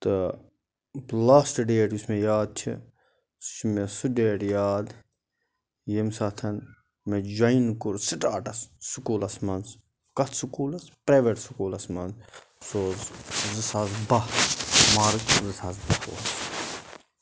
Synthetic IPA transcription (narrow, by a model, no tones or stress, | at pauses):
t̪ɨ | blaːsʈɖeːʈusmẽjaːd̪̚t͡ʃʰḭ̥ | t͡ʃmesuɖeːʈjaːd̪ | jemsaːt̪ʰɐn | med͡ʒɐinkuɾsiʈaːʈɐsːukuːlɐsmɐns | kɐt̪ʰsukuːlɐspɾaːʋeʈsukuːlɐsmɐnz | soːzzɨsaːzbɐhmaːɾkzɨsazbɐho̰ːs